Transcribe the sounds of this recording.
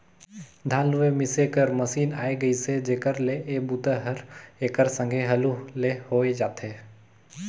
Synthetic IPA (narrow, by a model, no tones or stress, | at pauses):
d̪ʱaːluemɪsekəɾmɐsiːna̰ːeɡəised͡ʒeːkəɾleʔeːbut̪əɦəɾeːkəɾsə̃ŋɡʱeɦɐlulehoːed͡ʒaːt̪eː